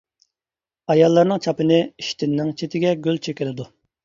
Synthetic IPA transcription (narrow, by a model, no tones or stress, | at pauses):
ɑjɑlˠːɑɾnɨŋt͡ʃʰɑpɨnɪiʃt̪ʰɪnːɪŋt͡ʃʰet̪ʰɪɡʲɛɡʲølt͡ʃʰekʲɪlɪd̪u